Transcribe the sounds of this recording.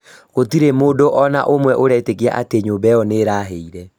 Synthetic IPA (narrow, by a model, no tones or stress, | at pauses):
ɣotiɾemoːdoʔɔna̰ʔomwɛʔoɾɛːtekea̰ʔateɲoːmbɛjɔneɾaːɦeiɾɛ